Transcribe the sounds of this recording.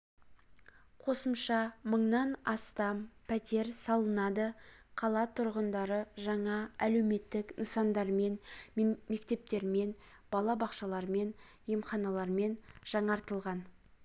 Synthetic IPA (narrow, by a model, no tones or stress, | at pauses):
qʰo̞səmʃɑməɴnɑnɑst̪ɑmpʰæt̪e̞ɾsɑlˠənɑd̪əqʰɑlˠɑt̪ʰʊɾʁənd̪ɑɾəʒɑɴɑæle̞wme̞t̪ːɪknəsɑnd̪ɑɾme̞nme̞kt̪e̞p̚t̪e̞ɾme̞n | b̥ɑlˠɑbɑqʃɑlˠɑɾme̞n | jemχɑnɑlˠɑɾme̞nʒ̥ɑɴɑɾt̪əlˠʁɑn